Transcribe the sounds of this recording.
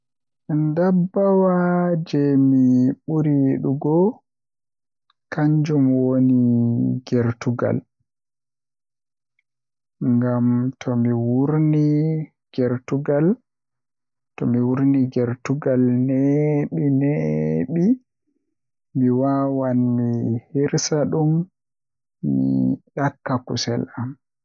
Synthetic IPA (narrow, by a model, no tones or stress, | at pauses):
ɛndabːawad͡ʒɛmiɓuɾiɗuɡɔ | kaɲd͡ʒumwoniɡɛɾtuɡa̰l | ŋɡamtʰɔmiwuɾni | ɡ̥ɛɾtuɡal | tɔmiwuɾniɡɛɾtuɡalneɓineɓi | miwawanmihiɾsaɗum | ḭɗakːakusɛ̰lam